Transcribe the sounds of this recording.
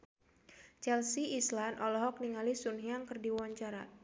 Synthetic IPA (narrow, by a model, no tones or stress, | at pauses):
t͡ʃɛlsiislanʔɔlɔɦɔk̚niŋalisunɦiaŋkɨrdiwaɲt͡ʃaɾa